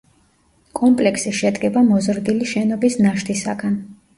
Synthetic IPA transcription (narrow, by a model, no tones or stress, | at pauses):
kʼɔmpʼlɛkʰsiʃɛd̪ɡɛbamɔzɾd̪iliʃɛnɔbisnaʃt̪ʰisa̰ɡan